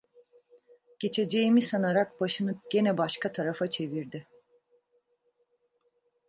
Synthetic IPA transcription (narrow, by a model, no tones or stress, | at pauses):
ɟ̥e̞t͡ʃʰe̞d͡ʒe̞jimisanaɾak̚baʃɯnɯɟ̥e̞nɛbaʃkʰat̪ʰaɾafat͡ʃʰe̞viɾd̪ɪ